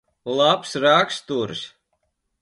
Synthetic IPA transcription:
lˠapsɾakst̪uɾs

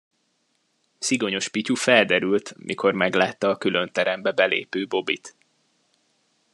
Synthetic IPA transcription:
siɡo̞ɲo̞ʃpicufɛld̪ɛɾylt̪mʔḭko̞rmɛɡlaːt̪ːɒːkylø̞nt̪ɛɾɛmbɛbɛlḛːpøːbo̞bḭt̪

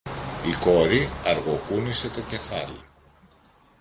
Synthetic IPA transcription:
iko̞ɾiɐɾɣo̞kunise̞t̪o̞ce̞fɐlḭ

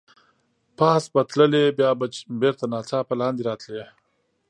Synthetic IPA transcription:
paːsbɐt̪ləlebjaːbabeɾt̪anaːt͡saːpɐlaːnd̪iɾaːt̪le

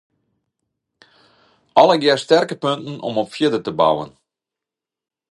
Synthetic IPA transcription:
ʔɔləɡjɛstɛrkəpøntn̩ʔɔ̰mɔpfjiədətəba̰wə̰n

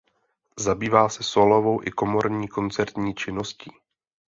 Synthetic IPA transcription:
zabiːvaːsɛsolovo̞wʔɪko̞mo̞ɾɲiːko̞nt͡sɛɾt̪ɲiːt͡ʃɪnosciː

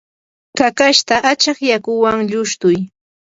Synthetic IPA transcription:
kakaʃt̪aʔat͡ʃɑχjakʊwaŋʎʊʃt̪ʊj

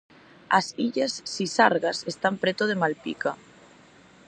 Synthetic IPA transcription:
asiʎasːisaɾɣasest̪ampɾet̪oðemalpḭka

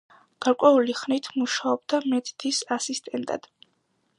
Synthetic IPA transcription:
ɡ̥aɾkʼwɛuliχnit̪ʰmuʃaɔb̚d̪amɛt̪ʰd̪̥ʰisasist̪ʼɛnt̪ʼa̰d̪̥

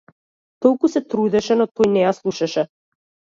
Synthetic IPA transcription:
t̪ɔlˠkusɛt̪ɾud̪ɛʃɛnɔt̪ɔjnɛjaslˠuʃaʃɛ

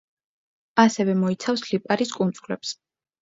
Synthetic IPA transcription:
asɛvɛmɔit̪sʰafslipʼaɾiskʼunt̪sʼlɛps

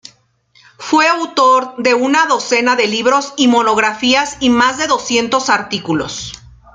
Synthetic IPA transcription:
fwe̞awt̪o̞ɾðe̞unaðo̞se̞naðe̞liβɾo̞simo̞no̞ɣ̞ɾafiasimazðe̞ðo̞sje̞nt̪o̞saɾt̪ikulo̞̰s

